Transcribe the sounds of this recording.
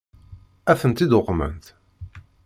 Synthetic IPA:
æθənt̪id̪ʊqːmə̰nt̪

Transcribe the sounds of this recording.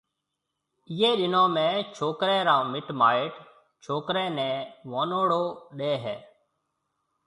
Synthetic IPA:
ɪːeːɗɪnõːmẽːt͡ʃʰoːkɾɛ̃ːɾãːmɪʈmaːeːʈ | t͡ʃʰoːkɾɛ̃ːnɛ̃ːʋoːnoːɽoːɗeːɦɛ̰ː

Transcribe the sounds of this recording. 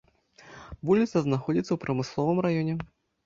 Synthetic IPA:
vulʲit̪sɐznaxɔd͡zʲit̪sːɐwpɾɐmɨslˠɔvɨmɾajɔnʲɛ

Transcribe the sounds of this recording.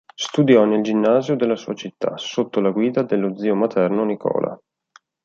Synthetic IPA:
st̪ud̪jɔneld͡ʒinːaːzjod̪elːasṵːat͡ʃit̪ːa̰sot̪ːolaɡwiːd̪ad̪elːod̪zːiːomat̪ʰɛrnonikʰɔ̰ːla̰

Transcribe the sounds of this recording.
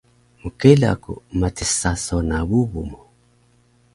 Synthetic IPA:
mukɛla̰kṵmatisasɔnaβuβumɔ

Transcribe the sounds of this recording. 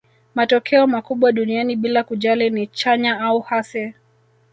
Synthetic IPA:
matɔkʰɛɔmakuɓwaɗunianiɓilakuʄalinit͡ʃaɲaauhasɛ

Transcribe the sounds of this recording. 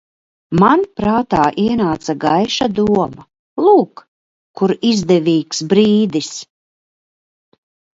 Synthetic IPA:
manpɾaːt̪aːʔiɛnaːt̪saɡajʃad̪uɔma | lˠuːk | kːuɾizd̪ɛviːksbɾiːd̪is

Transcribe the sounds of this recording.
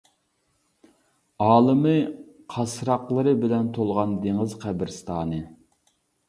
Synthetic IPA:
ɑːlˠɨmɨ | qʰɑsɾɑqlˠɨɾɨbɪlɛnt̪ʰolˠʁɑnd̪eŋəzqʰæbɪɾst̪ʰɑːnɨ

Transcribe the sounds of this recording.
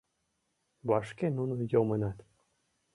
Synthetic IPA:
bɑʃkenunujomənɑt̪

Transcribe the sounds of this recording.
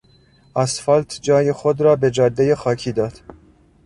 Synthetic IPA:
ʔæsfɒːlt̪ʰd͡ʒɒːjexod̪ɾɒːbe̞d͡ʒɒːd̪ːejexɒːkʰiːd̪ɒːd̪̥

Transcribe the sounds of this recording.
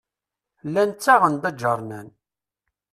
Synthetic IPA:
lːænt͡sːaʁənd̪æd͡ʒəɾˤnæn

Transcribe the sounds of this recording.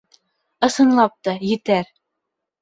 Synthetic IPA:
ɤ̆sɤ̆nlˠɑp̚t̪ɑjɘ̆t̪æɾ

